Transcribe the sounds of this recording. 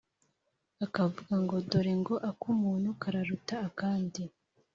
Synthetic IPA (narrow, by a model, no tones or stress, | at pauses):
akavuɡaŋɡo̞doɾiŋɡo̞ʔakumuːnhukaɾaɾutaːkaːndi